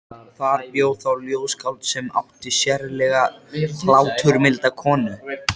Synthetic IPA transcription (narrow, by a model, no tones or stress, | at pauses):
θaɾpjoːwθawljoːwskaw̪t̪sɛma̰wht̪ɪsjɛɾlɛɣafʰlaːwt̪ʰʏɾmɪlt̪akʰɔːnʏ